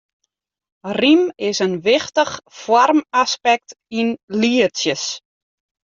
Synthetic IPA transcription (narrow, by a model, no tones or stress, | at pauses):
rimɪsənʋɪxtəχfɔrmaspɛk̚t | inliəsjəs